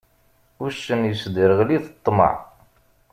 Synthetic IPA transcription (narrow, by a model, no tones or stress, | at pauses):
ʊʃənjəsd̪iɾəʁliθət̪ˤːmə̰ʕ